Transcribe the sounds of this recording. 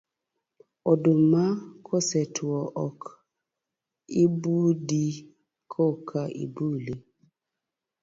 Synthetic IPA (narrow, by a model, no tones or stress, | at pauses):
odumakʰosɛtwɔʔɔk | ibudi | kʰokʰaʔḭbule